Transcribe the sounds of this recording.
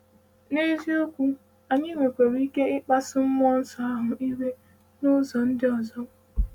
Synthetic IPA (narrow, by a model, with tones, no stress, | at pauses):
ne˦zi˦o˦kʷu˦ | a˨ɲɪ˦ŋʷe˨kʷe˨ɾi˦ke˦ɪ˦k͡pa˦sɪ˦m̩˦mɔ˦n̩˦sa˦a˦ɦʊ˨i˦ɾe˦ | nʊ˦zɔ˨n̩˦dɪ˦ɔ˨zɔ˦m˦